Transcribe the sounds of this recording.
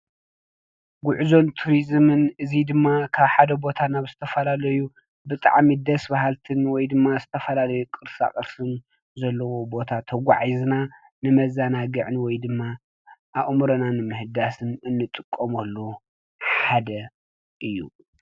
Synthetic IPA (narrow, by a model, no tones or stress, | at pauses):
ɡʷʊʕzo̞nt̪ʰuɾizmɨnɨzid̪ɨmːakʰaβħad̪ɐbo̞t̪ʰanaβzɨt̪ʰɐfɐlalɐju | bɨt̪ʼa̰ʕmid̪ɐsbahalt̪ʰɨnwɔjd̪ɨmːazɨt̪ʰɐfɐlalɐjukʼɨɾsa̰χʼɐɾsɨn | zɐlːɐwobo̞t̪ʰat̪ʰɐɡʷa̰ʕizna | nɨmɐzanaɡɨʕɨnwɔjd̪ɨmːa | ʔaʔmuɾɐnanɨmɨhɨd̪asɨnɨnːɨt̪ʼɨkʼːomɐlːu | ħħad̪ɐ | ʔɨjːṵ